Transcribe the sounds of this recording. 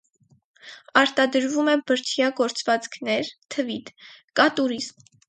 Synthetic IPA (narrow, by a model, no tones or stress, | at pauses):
ɑɾt̪ɑd̪əɾvumɛbəɾt̪ʰjɑɡɔɾt͡svɑt͡skʰnɛɾt̪ʰəvit̪kɑt̪uɾizm